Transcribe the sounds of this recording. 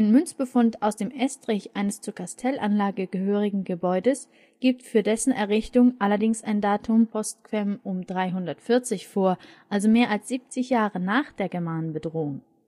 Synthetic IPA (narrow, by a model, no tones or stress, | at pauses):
ʔaɪnnmʏnt͡sb̥əfʊntaʊsd̥eːmʔɛstʁ̥ɪçʔaɪnəst͡suɐkʰastʰɛlʔanlaːɡəɡəhøːʁ̞ɪɡŋ̩ɡəbɔʏdəs | ɡ̥iːp̚tfyːɐdɛsn̩ɛɐʁɪçtʊŋʔalɐdɪŋsaɪndaːtʰʊmpʰɔst̚kv̥ɛmʊmdʁaɪɦʊndɐtfɪɐt͡sɪçfoːɐ | ʔalzomeːɐʔalsz̥iːp̚t͡sɪçjaːʁənaːχd̥eːɐɡɛɐmaːnənbədʁoːʊŋ